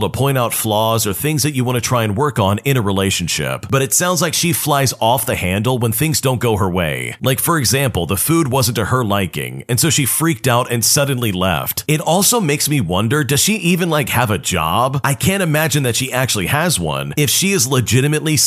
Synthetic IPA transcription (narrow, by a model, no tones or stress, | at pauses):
təpʰɔ̃ɪ̃ɾ̃aʊtflɔzə˞θɪ̃ŋzðɨt͡ʃɨwɑ̃ñɨtʰɹ̥aɪɨ̃nwɜ˞kn̩ɪ̃ɾ̃ɨɹileɪʃɨ̃n̩ʃɪ̰p̚b̥ʌɾɨtsãʊ̃ndzlaɪkʃiflaɪzɔfðɨhæ̃ndˡl̩ˠwə̃nθɪ̃ŋzdõʊ̃nɡ̥oʊə˞wḛɪlaɪkfə˞ɨɡzæ̃mpl̩ˠðəfud̚wʌzn̩tɨə˞laɪkɪ̰̃ŋɨ̃nsoʊʃifɹik̚taʊɾɨ̃nsʌdⁿn̩lilɛ̰ftɨɾɔlˠsoʊmeɪksmiwʌ̃ndə˞dʌz̥ʃiʔivɨ̃nlaɪkhəvɨd͡ʒɑ̰bʔaɪkʰæ̃ntɨmæd͡ʒɨ̃nðɨtʃiʔæk̚t͡ʃʉl̩ˠiəzwʌ̰̃nɪfʃiɨzləd͡ʒɪɾɨmɨtˡli